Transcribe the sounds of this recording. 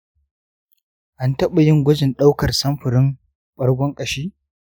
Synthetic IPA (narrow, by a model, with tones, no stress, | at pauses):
ʔa˦ntɐ˦ɓa˨jɪ˦ŋɡʷʊ˦d͡ʒɪ˨nɗa˦wkɐ˨rsɐ˦mɸɪ˨ɾɪ˦m | ɓɐ˦ɽɡʷɔ˦ŋkʼɐ˨ʃiː˦